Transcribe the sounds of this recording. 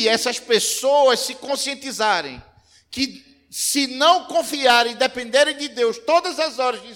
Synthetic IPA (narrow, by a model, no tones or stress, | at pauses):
ɛsɐspesoɐssɪkõsiẽnt̪izaɾḛ̃j̃ | kɪ | sɪnɐ̃w̃kõfiaɾẽj̃d̪epẽnd̪eɾẽj̃d̪ɪd̪ewst̪od̪ɐzɐzɔɾɐzd̪ɪ